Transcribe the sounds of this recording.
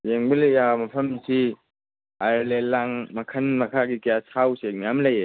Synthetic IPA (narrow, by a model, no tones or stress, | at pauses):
jeŋbɐlɐjamɐpʰɐmsi | ajɾlelːaŋmɐkʰɐnmɐkʰaɡikijasawsek̚nijamlɐje